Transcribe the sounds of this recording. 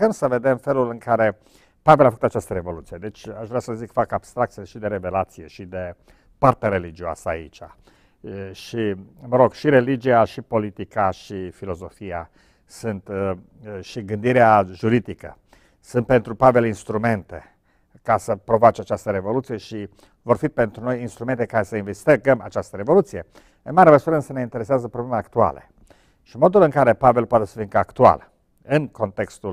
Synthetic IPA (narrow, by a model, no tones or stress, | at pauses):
əmsəve̞d̪e̞mfe̞lulɨŋkaɾe̞ | pave̞lafəkut̪at͡ʃast̪əɾe̞vo̞lut̪sijed̪e̞t͡ʃʲaʃvɾeasəzikfakab̥st̪ɾak̚t̪sileʃid̪e̞ɾeve̞lat̪sije̞ʃid̪e̞ | part̪aɾe̞lid͡ʒioa̰səaḭt͡ʃa | ʃiməɾo̞ɡʃiɾe̞lid͡ʒiaʃipo̞lit̪ikaʃifilo̞zo̞fija | sunt̪ | ʃiɡɨnd̪iɾeaʒuɾid̪ikə̰ | sunt̪̚pe̞nt̪ɾupave̞linst̪ɾume̞nt̪e̞ | kasəpɾo̞vat͡ʃat͡ʃast̪əɾe̞vo̞lut̪sije̞ʃi | vo̞rfit̪̚pent̪ɾunojinst̪ɾument̪e̞kaɾesəinvest̪eɡəma̰t͡ʃast̪əɾe̞vo̞lut̪sije̞ | ɨnmaɾeməsuɾəɨnsəne̞int̪e̞ɾe̞seazəpɾoblemeakt̪ua̰le | ʃimo̞d̪ulɨŋkaɾe̞pave̞lpoat̪esə̥fiŋkəakt̪ua̰l | ɨnko̞nt̪e̞kst̪ul